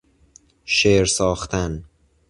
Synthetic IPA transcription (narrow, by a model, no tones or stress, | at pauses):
ʃeːɾsɒːxt̪ʰæn